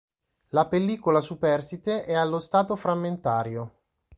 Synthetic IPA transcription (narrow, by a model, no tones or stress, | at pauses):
lapelːiːkolasupɛrsit̪eʔɛalːost̪aːt̪ofɾamːent̪aːɾjo